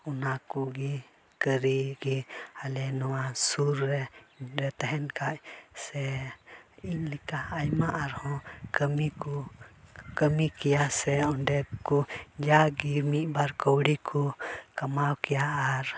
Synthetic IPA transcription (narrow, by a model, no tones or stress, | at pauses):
ɔnakuɡi | kəɾiɡialɛnɔwasuɾːɛɾɛt̪ɛɦɛnkaʔsɛ | iɲlikaːjmaʔaɾhɔ̃kəmiku | kəmikɛjasɛɔɳɖɛp̚kud͡ʒaɡimiʔbaɾkɔwɽikʰukamawkɛjaaɾ